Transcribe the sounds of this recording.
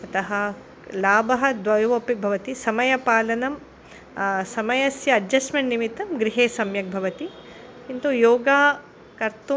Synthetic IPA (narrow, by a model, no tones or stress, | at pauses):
ɐt̪ɐɦɐ | laːbɐɦɐd̪ʋɐjʋopibʱɐʋɐt̪isɐmɐjɐpaːlɐnɐm | sɐmɐjɐsjɐːd͡ʒɐsmɐɳʈnimit̪ːɐmɡɾiɦeːsɐmjɐk̚bʱɐʋɐt̪i | kint̪ujoːɡaː | kɐɾt̪u